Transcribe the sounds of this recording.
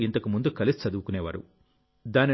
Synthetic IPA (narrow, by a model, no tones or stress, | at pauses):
int̪ɐkumund̪ukɐlisi̥t͡ʃɐd̪uʋukunɛːʋa̰ːɾṵ | d̪aːni